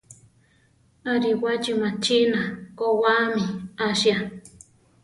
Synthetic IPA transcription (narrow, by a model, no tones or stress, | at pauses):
aɾiwad͡ʒimãt͡ʃinakowamiaʃja